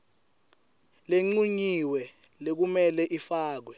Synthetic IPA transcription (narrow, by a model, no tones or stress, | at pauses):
leŋ͡ǀuɲiwɛlek̬umɛlɛʔifaːk̬wɛ